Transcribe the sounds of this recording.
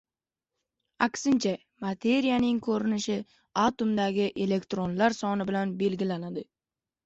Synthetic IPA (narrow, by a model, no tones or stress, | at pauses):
akʲsɪnt͡ʃʰa | mat̪ʰe̞ɾijanɪŋkʰɵɾɪnɪʃɪ | at̪omd̪aɡʲɪʔe̞le̞kt̪ɾo̞nlaɾsɒnɪbɪlanbe̞lɡʲɪlanad̪ɪ